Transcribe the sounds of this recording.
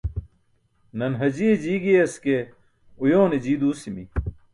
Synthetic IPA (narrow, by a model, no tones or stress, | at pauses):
nɐnɦɐd͡ʑid͡ʑiːɡiɐske | ujoːned͡ʑiːd̪uːsimi